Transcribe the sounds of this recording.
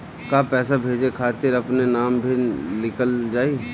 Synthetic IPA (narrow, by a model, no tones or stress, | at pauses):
kaːpɛːsabʱeːd͡ʒekʰaːt̪ɪɾɐpnenaːmbʱilɪkəld͡ʒaːi